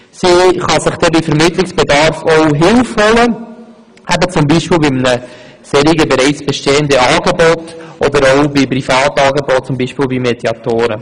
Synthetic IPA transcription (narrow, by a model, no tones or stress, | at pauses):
siχɑsɪχd̥ɛbifəɾmɪtlɪksb̥edɑɾfɔʊɦɪlfhɔlə | æbət͡sʊmbiːʃpiːlbimnə | seːɾiɡəbeɾɛɪt͡sb̥ɛʃteːəndəɑːɡebɔtʔɔd̪əɾoʊbipɾifɑːtɑːɡebɔt̚t͡sʊmbiːʃpiːlbimed̥jɑtoːɾə